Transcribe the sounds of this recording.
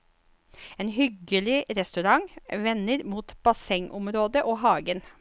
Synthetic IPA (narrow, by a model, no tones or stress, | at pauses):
eːnɦʏɡəlɪɾɛst̪ʉɾɑŋʋɛnəɾmuːt̪b̥ɑsɛŋʔʊmɾoːd̪əʔoːɦɑːɡən